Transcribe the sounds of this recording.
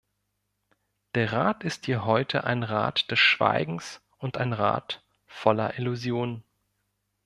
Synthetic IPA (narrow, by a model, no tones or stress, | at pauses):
d̥eːɐʁaːtɪsthiːɐɦɔʏtʰəʔa̰ɪnʁa̰ːtd̥ɛsʃv̥a̰ɪɡŋ̩s | ʔʊntaɪnʁa̰ːt | fɔlɐ̰ʔɪluzjoːn